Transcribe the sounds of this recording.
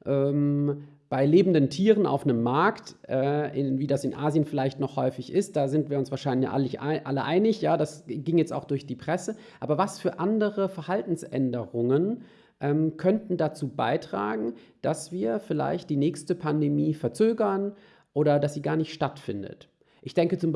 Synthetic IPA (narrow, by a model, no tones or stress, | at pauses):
ʔɛːm | b̥aɪleːbn̩dəntʰiːʁənʔa̰ʊfnəmːaɐktʔɛːʔɪnviːdasɪnʔa̰ːzjənfɪlaɪçtnɔχhɔʏfɪçɪst̚d̥aːzɪntv̥iːɐʊnsv̥aːɐʃaɪnlçja̰ːlɪçʔaləʔaɪnɪçjaːdasɡɪŋjɛt͡sta̰ʊxd̥ʊɐçd̥iːpʁ̥ɛsə | ʔaːbɐvasfyːɐʔandəʁəfɛɐhaltn̩sʔɛ̰ndəʁʊŋən | ʔɛːmkʰœntn̩dat͡suːba̰ɪtʁ̥a̰ːɡŋ̩d̥asv̥iːɐfɪla̰ɪçt̚d̥iːnɛːçstəpʰandemiːfɛɐt͡søːɡɐn | ʔoːɾɐdasz̥iːɡaːɐnɪçtʃtatfɪndə̰t | ʔɪçd̥ɛŋkət͡sʊm